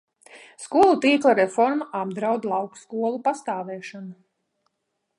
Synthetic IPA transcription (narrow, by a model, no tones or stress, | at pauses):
skuɔlˠut̪iːklˠaɾɛfɔɾmaʔab̚d̪ɾawd̪lˠɑwkskuɔlˠupast̪aːvɛːʃanu